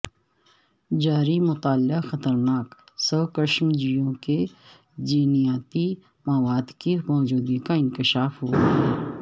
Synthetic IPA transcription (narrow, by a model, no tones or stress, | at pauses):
d͡ʒaːɾimʊt̪aːlːɪxɐt̪əɾnaːksɔːkəʃmd͡ʒijõke | d͡ʒiːnijaːt̪i | mɐʋaːd̪kimɔːd͡ʒuːd̪ikaɪ̃nkɪʃaːfɦoaɛː